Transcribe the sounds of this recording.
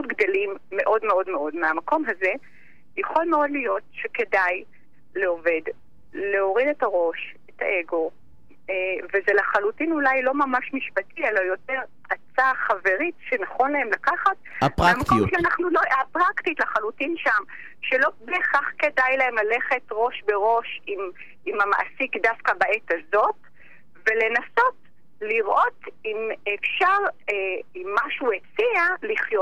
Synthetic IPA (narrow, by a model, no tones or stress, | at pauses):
utɡdolimːe̞ʔo̞dme̞o̞dme̞o̞dmeamako̞mɦaze̞ | jaχo̞lmeo̞dlijo̞t̚ʃeke̞daj | leo̞ve̞d | le̞o̞ʁide̞taʁo̞ʃeta̰ʔe̞ɡo̞ | vezelaχalutinulajlo̞mamaʃmiʃpatielajo̞te̞ʁ | at͡saχave̞ʁitʃenaχo̞nlaemlakaχat̚aʁamakkomʃeanaχnuloapʁaktitlaχalutinʃam | ʃelo̞beχaχke̞dajlaemlale̞χe̞tʁo̞ʃbe̞ʁo̞ʃim | imama̰ʔsikdafkabaʔetazo̞t | ve̞le̞naso̞t | liʁʔo̞timefʃaʁeimːaʃuet͡sialiχjot